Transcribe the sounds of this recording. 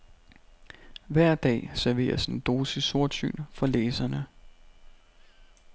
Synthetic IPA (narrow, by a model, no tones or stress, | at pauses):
ʋæɐ̰d̥ɛ̰ːsæɐʋe̝̰ːɐsend̥o̝ːsəso̝ɐ̰̥sy̰ːnfɒ̽leːsɐnə